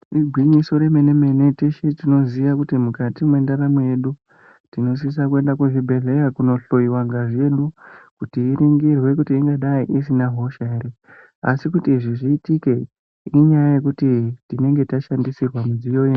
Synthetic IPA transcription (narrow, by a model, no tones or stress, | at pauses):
riɡʱwiɲiso̞ɾe̞meneme̞ne̞teʃetino̞ziʋakutimukatimwe̞ndaɾamweje̞ɗu | tino̞s̬is̬akue̞ndakuʐibʱe̞ɮe̞rakuno̞ɬo̞jiwaŋɡaʐe̞ɗukutiːɾiŋɡirwe̞kutiːŋɡaɗaiʔisinaɦo̞ʃare | a̰sikutiʐiʐiːtike̞ | iɲajaje̞kutitine̞ŋɡe̞taʃandisirwamud͡zijo̞je